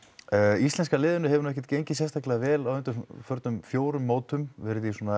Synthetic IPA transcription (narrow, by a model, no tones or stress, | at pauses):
œːist̪ɛnskalɪːðʏnʏhɛvʏɾnʏɛhcɛɾ̥t̪cejɲcɪsjɛnst̪aklɛðavɛːlawʏnt̪ʏɾfœɾt̪nʏmfjoːwɾʏmːoːwt̪ʏmvɪɾðisɔna